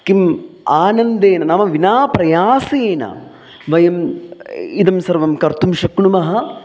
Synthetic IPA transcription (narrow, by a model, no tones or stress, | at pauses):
kimaːnɐnd̪eːnɐnɐmɐʋinaːpɾɐjaːseːnɐ̰ | ʋɐjɐm | id̪ɐmsɐɾʋɐmkɐɾt̪umʃɐkɳumɐɦɐ̆